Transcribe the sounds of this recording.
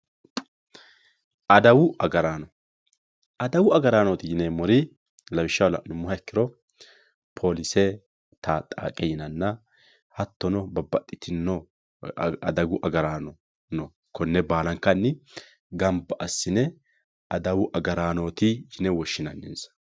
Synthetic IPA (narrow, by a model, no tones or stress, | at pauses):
ɐd̪ɐwʊʔɐɡɐɾaːnɔ | ɐd̪ɐwʊɐɡɐɾaːnot̪ɪjɪnɛmɔɾɪ | lɐwɪʃːɐwlɐnʊmːʊhɐɛkːɪɾɔ | pʰoːlɪsɛ | t̪ʰat̪ʼa̰ːkʼɛjɪnɐnːɐ | hɐt̪ːɔnɔbɐbːɐt̪ʼːɪt̪ʰɪnːɔ | ɐ̰d̪ɐɡʊʔɐɡɐɾaːnɔ | nɔ | kʰɔnːɛbaːlɐŋkːɐnːɪ | ɡɐmbɐʔɐsːɪnɛ | ɐd̪ɐwʊʔɐɡɐɾaːnoːt̪ɪjɪnɛwɔʃːɪnɐnːɛnsɐ̥